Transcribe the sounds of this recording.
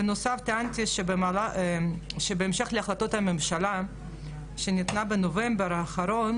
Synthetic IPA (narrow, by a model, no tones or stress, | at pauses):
enosaft̪eant̪ʲiʃebemala | ʃebeːmʃeχleaχlat̪ot̪hamemʃala | ʃenit̪nabenovembeɾaːχaɾon